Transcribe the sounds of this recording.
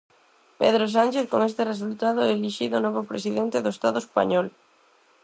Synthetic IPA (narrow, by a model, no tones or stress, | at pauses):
pḛðɾos̬anʲt͡ʃeθkoŋest̪eres̬ult̪að̞oɛliʃiðonɔβopɾes̬iðent̪eðoest̪aðoespa̰ɲɔl